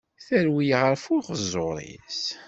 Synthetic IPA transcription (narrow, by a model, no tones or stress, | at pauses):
θæɾwijʁəɾfʊʁəzoɾˤḭs